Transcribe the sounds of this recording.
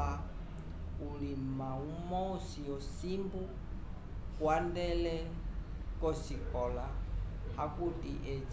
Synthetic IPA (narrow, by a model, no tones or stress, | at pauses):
a | ulimaumɔusiɔsimbu | kwandɛlɛ | kɔsikɔlahakutiʔɛt͡ʃ